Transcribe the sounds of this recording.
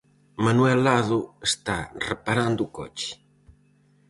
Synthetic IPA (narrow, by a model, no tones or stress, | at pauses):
manwɛlːaðʊest̪arepaɾand̪ʊːkɔ̰t͡ʃɪ̥